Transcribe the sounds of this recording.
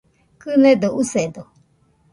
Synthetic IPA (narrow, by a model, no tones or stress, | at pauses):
kɨned̪oused̪o